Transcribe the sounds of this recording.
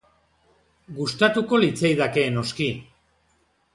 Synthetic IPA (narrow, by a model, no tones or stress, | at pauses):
ɡust̪at̪uko̞lit͡sejðake̞ːno̞ski